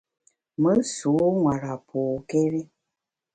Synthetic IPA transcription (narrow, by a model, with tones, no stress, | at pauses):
mə˦su˨˦ŋwa˨ɾa˨pʰoː˨ke˦ɾe˦